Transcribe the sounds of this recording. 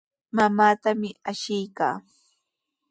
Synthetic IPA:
mamaːt̪amɪaʃɪjka̰ː

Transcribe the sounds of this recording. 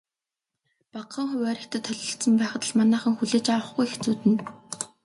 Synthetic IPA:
paqːə̆ŋχʊwæːɾʲɪ̆kt̪ʰə̆t̪ʰːœɮʲɞ̆ɬt̪sə̆mpæːχt̪ə̆ɮmanæːχə̆ŋxuɮeːt͡ɕawə̆χɡujext͡suːt̪ɘ̆n

